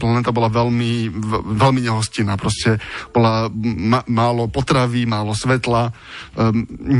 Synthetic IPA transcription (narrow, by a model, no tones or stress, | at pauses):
planɛt̪abɔlaʋɛlmiʋɛlmiɲɛɦɔscinaːpɾɔscɛb̥ɔlamamaːlɔpɔt̪ɾaʋiːmaːlɔsʋɛt̪la | ɲ